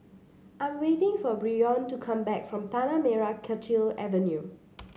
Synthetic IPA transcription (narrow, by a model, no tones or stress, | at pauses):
ʔãɪ̃mwetɪ̃ŋfɔbɹiɔ̃ntukʰãmbɛkfɹɔ̃mt̪anamɛɹakʰɛt͡ʃilɛ̰və̃nju